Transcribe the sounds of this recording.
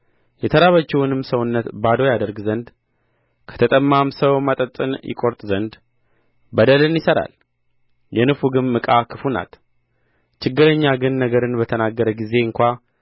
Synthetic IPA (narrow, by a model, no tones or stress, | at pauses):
jɛt̪ʰəɾaβət͡ʃːɛwʊnɨmsəwʊnːət̪bad̪o̞jad̪əɾɡzənd̪ | kʰə̥t̪ʰət̪ʼəmːamsəwmat̪ʼət̪ʼɨ̰njɪ̰kʼo̞ɾt̪ʼzənd̪ | bəd̪əlɨnjɪsəɾa̰l | jɛnɨfuɡɨmːɨkʼakʰɨfuna̰t̪ | t͡ʃɪɡːɨɾəɲːaɡɨnːəɡəɾɨnbət̪ʰənaɡːəɾəɡize̞ɨŋkʷa